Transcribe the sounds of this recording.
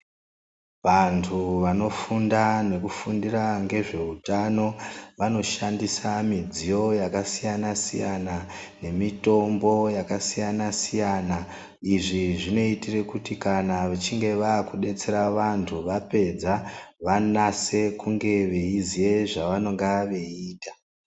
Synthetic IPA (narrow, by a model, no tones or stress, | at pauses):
ʋantʰuʋano̞fundane̞kufundiraŋɡe̞ʐe̞utano̞ʋano̞ʃandisamid͡zijo̞jakasijanasḭjanane̞mito̞mbo̞jakasijanasijaːna | iʐiʐino̞itire̞kutikanaʋet͡ʃiŋɡe̞ʋaːkuɗe̞t͡se̞ɾaʋantʰuʋape̞d͡zaʋanase̞kuŋɡe̞ʋe̞izije̞ʐaʋano̞ŋɡaʋe̞iːtḁ